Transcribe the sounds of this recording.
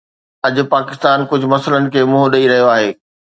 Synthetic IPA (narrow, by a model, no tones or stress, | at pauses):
ɐd͡ʑʊpaːkɪst̪aːnkʊd͡ʑʱʊ̆mɐsələnɪ̆kʰeːmʊ̃ɦoɗɐiɾɐɦijoaːɦeː